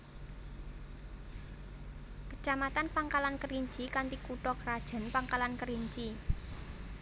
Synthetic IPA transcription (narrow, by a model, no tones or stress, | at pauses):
kə̥t͡ʃamat̪anpaŋkalankəɾiɲt͡ʃikant̪ikuʈɔkəɾad̥ʒ̥a̤npaŋkalankəɾiɲt͡ʃi